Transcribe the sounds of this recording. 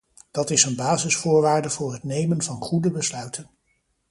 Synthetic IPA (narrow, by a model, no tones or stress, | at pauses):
d̥ɑtɪsənbaːzɪsfʊːɹʋaːɹdəvʊːɹɦətnejmənvɑnχudəbəslœɥtən